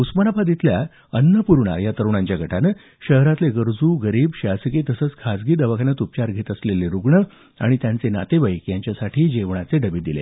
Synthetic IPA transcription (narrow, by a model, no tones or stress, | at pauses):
usmənapʰad̪it̪lja | ənːəpuɾɳa̰jat̪əɾʋɳaɲt͡ɕjaɡʱəʈʰanə | ɕəɦɾat̪leɡəɾd͡zuːɡəɾiːbɕasəkit̪əsət͡skʰasɡiːd̪əʋakʰanːat̪up̚t͡ɕaɾɡʱet̪əsleleɾuɡɳə | a̰ɽ̃it̪jãnt͡sena̰t̪eʋəjkjaɲt͡ɕjasaʈʰiːd͡ʑeʋɳat͡seɖəbid̪ilḛ